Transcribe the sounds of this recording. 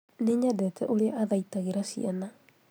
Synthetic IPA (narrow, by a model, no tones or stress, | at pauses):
neɲadɛtʰɛʔoɾeaʔaðaitaɣeɾasḭana